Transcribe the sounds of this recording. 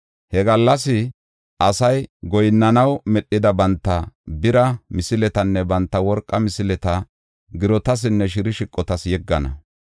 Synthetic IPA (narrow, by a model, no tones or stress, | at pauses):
hɛɡɐlːɐs̬ɪ | ʔɐsɐjɡɔjɪnːɐnɐwmɛɗːɪd̪ɐbɐnt̪ːɐbɪɾɐmɪsɪlɛt̪ɐnːɛbɐnt̪ːɐwɔɾkʼːɐmɪsɪlɛt̪ɐ | ɡɪɾɔt̪ɐs̬ɪnːɛʃ̬ɪɾɪʃɪkʼːɔt̪ɐsjɛɡːɐnɐ̰